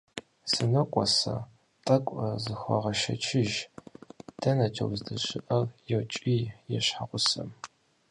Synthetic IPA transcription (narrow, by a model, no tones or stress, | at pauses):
sɨnɐkʷʼɔsɐ̰ | tʼɐkʷʼɐzɨxʷɔ̰ʁɐʃɐ̰t͡ʃʰɪʒ | d̥ɐnɐtʰɐ̰wzdɐɕɪʔɐrjɛwt͡ʃʼiːjɛɕħaqʷʊsɐm